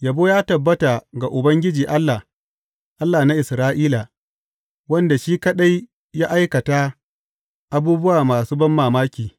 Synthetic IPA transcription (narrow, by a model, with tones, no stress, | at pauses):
ja˨boː˦jaː˦tɐ˨bːɐ˦ta˨ɡa˨ʔʊ˨bɐ˦ŋɡʲɪ˦d͡ʒiː˨ʔa˦lːa˨ | ʔa˦lːaː˨na˦ʔɪ˨sɾaː˦ʔiː˦la˨ | wɐ˦nda˨ʃiː˦kɐ˦ɗa˦j | jaː˦ʔa˦jkɐ˨ta˦ | ʔa˨buː˦bʊ˦waː˨maː˨suː˦bɐ˦mːaː˨maː˦kʲiː˨